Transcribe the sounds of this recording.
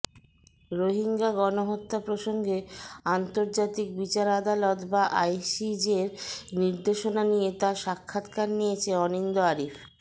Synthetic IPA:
ɾoɦiŋɡaɡɔnoɦot̪ːapɾoʃoŋɡeant̪oɾd͡ʑat̪ik̚bit͡ɕaɾad̪alot̪baʔajsid͡ʑeɾniɾd̪eʃonanijet̪aʃakʰːat̪kaɾnijet͡ɕʰeɔnind̪oaɾif

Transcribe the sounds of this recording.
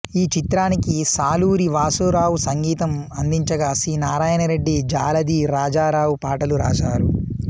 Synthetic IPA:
iːt͡ʃit̪ɾaːnikisaːluːɾiʋaːsuɾaːwusɐŋɡiːt̪ɐmɐnd̪iɲt͡ʃɐɡasɾiːnaːɾaːjɐnɐɾe̞ɖːid͡ʒaːlɐd̪iːɾaːd͡ʒaːɾaːwupaːʈɐluɾa̰ːʃaːɾu

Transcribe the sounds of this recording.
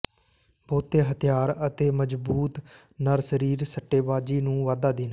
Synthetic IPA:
boːt̪ːeːɦət̪ʰɪjaːɾət̪eːməd͡ʒbuːt̪ | nəɾsəɾiːɾsəʈːeːʋaːd͡ʒiːnũːʋaːd̪aːd̪ɪn

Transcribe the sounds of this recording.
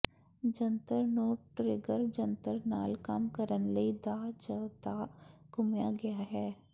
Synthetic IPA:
d͡ʒɐ̃nt̪əɾnoːʈʈɾeːɡəɾd͡ʒɐ̃nt̪əɾnaːlkaːmkəɾənləid̪aːd͡ʒəd̪aːɡʊmjaɡɐjaɦɛː

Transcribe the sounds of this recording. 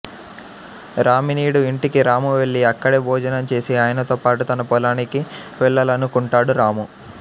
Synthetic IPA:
ɾaːminiːɽuiɳʈikiɾaːmuʋe̞ɭːiɐkːɐɽebʱɔːd͡ʒɐnɐmt͡ʃe̞ːsiaːjɐnɐt̪oːpaːʈut̪ɐnɐpɔlaːniki | ʋɛɭːɐlɐnukuɳʈaːɽuɾaːmu

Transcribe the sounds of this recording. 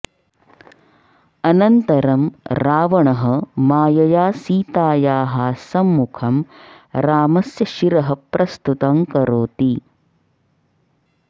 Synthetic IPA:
ɐnɐnt̪ɐɾɐmɾaːʋɐɳɐɦɐmaːjɐjaːsiːt̪aːjaːɦasɐmːukʰɐm | ɾaːmɐsjɐʃiɾɐɦɐpɾʔɐst̪ut̪ɐmkɐɾoːt̪i

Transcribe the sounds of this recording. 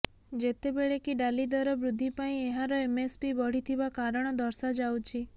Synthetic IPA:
d͡ʒet̪ebeɭekiɖalid̪ɔɾɔbɾud̪ʱːipaĩeɦaɾɔemespibɔɽ̤it̪ʰibakaɾɔɽ̃ɔd̪ɔɾsad͡ʒawt͡ʃʰi

